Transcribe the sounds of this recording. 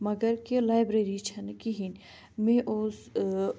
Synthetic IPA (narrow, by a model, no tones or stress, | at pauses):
mɐɡəɾkelaːjbɾeɾit͡ʃʰɐnkiɦin | mẽːʔoːs